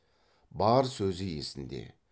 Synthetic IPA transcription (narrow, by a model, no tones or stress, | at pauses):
bɑɾsɵzɪje̞sɪnd̪e̞̰